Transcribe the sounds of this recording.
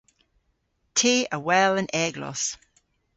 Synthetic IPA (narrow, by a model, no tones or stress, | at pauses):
tʰiːəwɛlə̃nʔɛːɡlɔ̰s